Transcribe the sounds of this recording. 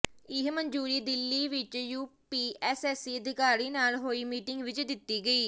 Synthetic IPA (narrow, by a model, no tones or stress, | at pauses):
ɪɦməɲd͡ʒuːɾiːd̪ɪlːiːʋɪt͡ʃjuːpiːʔɛːsɛːsiːəd̪ɪkaːɾiːnaːlɦoːiːmiːʈɪŋɡʋɪt͡ʃd̪ɪt̪ːiːɡəiː